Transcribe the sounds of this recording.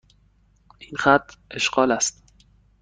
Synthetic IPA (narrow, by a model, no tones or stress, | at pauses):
ʔinxæt̪ʰːʔe̞ʃɢɒːlæst̪